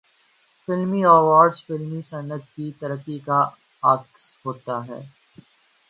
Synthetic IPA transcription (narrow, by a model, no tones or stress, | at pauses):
fɪlmiaːʋaːɾɖzfɪlmisɐnːət̪̚kit̪ɐɾəkːika | aːksɦoːt̪aɦɛ̰ː